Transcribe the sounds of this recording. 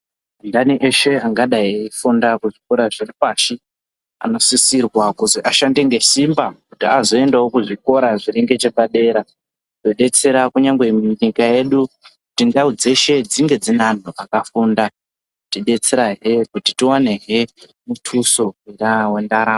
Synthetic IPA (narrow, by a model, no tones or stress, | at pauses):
ndaniʔe̞ʃe̞aŋɡaɗaifundakuʐiko̞ɾaʐiripaʃi | a̰no̞sisirwakuziʔaʃandiŋɡe̞simbakutiazo̞e̞ndawokuʐiko̞ɾaʐireŋɡe̞t͡ʃeɓaɗe̞ɾa | to̞ɗe̞t͡se̞ɾakuɲaŋɡwe̞mɲikaje̞ɗukutindaud͡ze̞ʃe̞d͡ziŋɡe̞d͡zinan̤oʔakafunda | tiɗe̞t͡se̞ɾaɦekutitiwane̞ɦe | mutʰuso̞ɦwiɾawe̞ndaɾaːm